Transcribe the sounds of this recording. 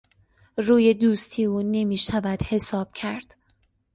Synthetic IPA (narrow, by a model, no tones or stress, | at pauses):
ruːje̞d̪uːst̪ʰiːuːne̞miːʃævæd̪̥he̞sɒːb̥̚cʰæɾd̪̥